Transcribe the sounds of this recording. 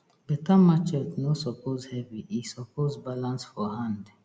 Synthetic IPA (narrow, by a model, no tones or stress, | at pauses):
bɛtamat͡ʃɔtnosɔpʰozhɛviisɔpʰozbalãnsfɔhãnd